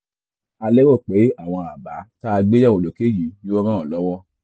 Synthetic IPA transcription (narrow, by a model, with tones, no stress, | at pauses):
a˧lɛ˦wo˦˨k͡pe˨˦a˦˨w̃ɔ̃˧a˨ba˨˦ta˦a˧ɡ͡be˦jɛ˦˨wo˨lo˨ke˦˨jĩ˨˦jo˦ɔ˦ɾ̃ã˦ɔ˨lɔ˨˦wɔ˦